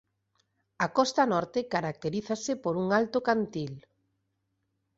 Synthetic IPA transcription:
akɔst̪anɔɾt̪ɪkaɾak̚t̪eɾiθasɪpoɾuŋalt̪ʊkant̪il

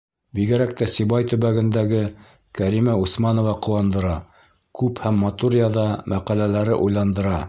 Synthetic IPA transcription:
biɡɘ̆ɾæk̚t̪æsiβɑjt̪ɵ̆βæɡɘ̆nd̪æɡɘ | kæɾimæusmɑnŏvɑqŏwɑnd̪ɤ̆ɾɑ | kʉphæmːɑt̪uɾjɑðɑmʔæqælælæɾɘʔujlˠɑnd̪ɤ̆ɾɑ

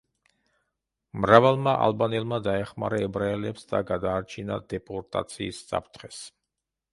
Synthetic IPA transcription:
mɾavalˠmaʔa̰lˠbanɛlˠmad̪aɛχma̰ɾaɛbɾaɛlɛpsd̪a̰ɡad̪aːɾt͡ʃʰina̰d̪ɛpʼɔɾt̪ʼa̰t̪sʰiːsːa̰pʰt̪ʰχɛs

